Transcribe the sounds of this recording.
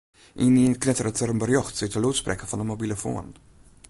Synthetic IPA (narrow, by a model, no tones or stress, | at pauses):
ʔiniənknɛt̪əɾət̪əɾəmbəɾjɔxtsɪtəlutsprʔɛkəfɑndəmobiːləfo̰ːn